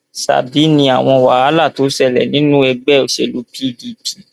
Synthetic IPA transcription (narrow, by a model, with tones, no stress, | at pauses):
sa̰˨bi˨˦nĩ˧a˨w̃ɔ̃˧wa˨a˨˦la˦˨to˨˦sɛ˦˨lɛ̰˨nĩ˨˦nũ˦ɛ˧ɡ͡bɛ˦˨o˨˦ʃe˧˨lu˦pʰi˦di˧pʰi˦˨